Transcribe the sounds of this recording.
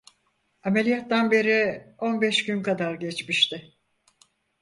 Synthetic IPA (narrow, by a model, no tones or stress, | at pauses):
ame̞lʲijat̪ːanbe̞ɾɪo̞nbɛʃɟynkad̪aɾɟɛt͡ʃmiʃt̪ʰɪ